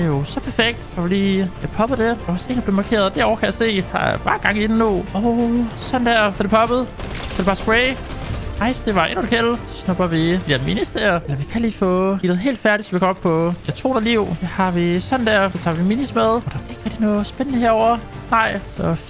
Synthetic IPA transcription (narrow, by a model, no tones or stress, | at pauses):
d̥ejo̝sɒ̽pʰæɐfeɡ̥̚d̥fɒfɒd̥ḭːjɑpʰɒ̽b̥ð̩ˠd̥e̝d̥ɑɒse̝̰ːndɑb̥le̝mɑ̈kʰe̝̰ɐðˠd̥æ̰ɐɒ̰ʊɐkʰæjase̝̰ːhɑ̰b̥ɑ̰̈ːɡ̥ɑ̈ŋ̰idn̩nuɒʊsɒ̽n̩d̥æɐ̰fʰɒdɾe̝pʰɒ̽b̥ð̩ˠfʰɒɾebɑ̈sɡ̥ʁeɪɑ̈ɪsd̥e̝ʋɑ̈e̝nud̥kʰelsɒ̽snɔ̽b̥ɐʋid̥id̥æɐminisd̥eɐelɐʋikʰæliːfɔ̰̽ːid̥ð̩ˠɦe̝̰ːld̥fæɐɾisɒ̽mʋikʰɒɒb̥̚pʰɒ̽æt͡sʰo̝̰ːnɐliʊ̰d̥ehɑ̈ʋisɒ̽n̩d̥æɐ̰sɒ̽t͡sʰɑ̰̈ːʋiminismeð̞ˠɒd̥ɑʋɑe̝ɡ̥ʁɛɡ̥d̥inɔ̽ːð̩ˠsb̥enənəɦeɐɒʊɐ | nɑ̈ɪ̰sɒ̽